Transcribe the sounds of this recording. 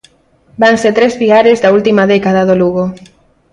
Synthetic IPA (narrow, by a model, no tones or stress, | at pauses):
baŋset̪ɾezβiaɾezðault̪imaðɛkað̞aðoluɣo